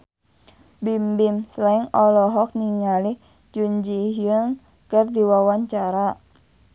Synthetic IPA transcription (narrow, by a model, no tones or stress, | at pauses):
bimbimslaiŋɔlɔɦɔk̚niŋalih | d͡ʒuɲd͡ʒiɦiəŋ | kərdiwawaɲt͡ʃaɾa